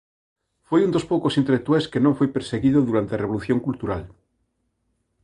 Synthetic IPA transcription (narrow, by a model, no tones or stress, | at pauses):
fwejund̪o̞spokosint̪elek̚t̪ueskenõɱfwejpeɾseɣiðoðuɾant̪eareβoluθjoŋkult̪uɾal